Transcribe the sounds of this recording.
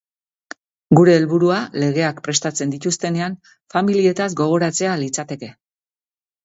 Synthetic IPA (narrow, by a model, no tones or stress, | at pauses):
ɡuɾe̞ːlβuɾuale̞ɣ̞e̞akpɾe̞st̪at͡se̞nd̪it̪ust̪e̞ne̞an | familie̞t̪azɡo̞ɣ̞o̞ɾat͡se̞alit͡sat̪e̞ke̞